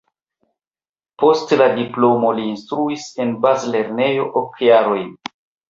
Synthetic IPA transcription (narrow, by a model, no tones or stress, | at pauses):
po̞stladiplo̞mo̞liːnstɾuise̞nbazle̞ɾne̞jo̞ʔokjaɾo̞j